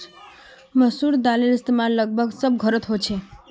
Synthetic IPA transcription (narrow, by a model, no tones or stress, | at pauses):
məsuɾd̪alelɪst̪mãləɡ̚bʱəɡsəb̚ɡʱəɾət̪ɦojt͡ʃʰe